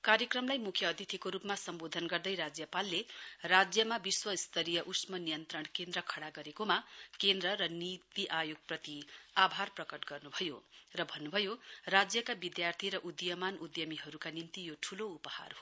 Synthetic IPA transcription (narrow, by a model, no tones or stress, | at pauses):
kaɾjʌkrʌmlajmukʰjʌːd̪ʱit̪ʰikoɾupmasʌmbod̪ʱʌnɡʌrd̪ʌjrad͡zjʌpalːerad͡zjʌmabiswʌist̪ʰʌɾijʌʔusmʌnijʌnt̪rʌɳkend̪rʌkʰʌɽaɡʌɾekomakend̪rʌɾʌnit̪iʔajoɡ̚prʌt̪iabʱarprʌkʌʈɡʌrnubʱʌjo̰rʌbʱʌnːubʱʌjorad͡zjʌkabid̪jart̪ʰiɾʌʔud̪jʌmanud̪jʌmiɦʌɾukanint̪ijoʈʰuloupʌha̰rɦo